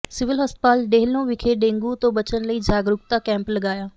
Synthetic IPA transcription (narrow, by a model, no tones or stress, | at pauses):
sɪʋɪlɦəst̪̚paːlɖeːlnõːʋɪkʰeːɖẽːŋɡuːt̪õːbət͡ʃənləiːd͡ʒaːɡɾʊkt̪aːkɛ̃ːmpləɡaːjaː